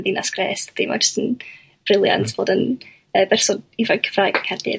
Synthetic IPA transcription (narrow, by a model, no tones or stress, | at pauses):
ðiːnʔaskrḛːsd̥ima̰d͡ʒə̥stən | b̥rɪlˠja̰ntʰb̥oːdən | əːbɛrsɔivḁkʰəv̥raːɨɡəkʰɛdɪ̰